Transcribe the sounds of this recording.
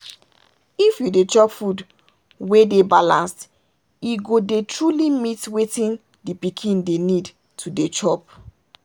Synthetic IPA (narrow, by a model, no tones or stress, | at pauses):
ifjudet͡ʃɔpfud | wedebalãnst | iɡodetɹulimitwetĩn | dipikʰĩndenid | tʰudet͡ʃɔp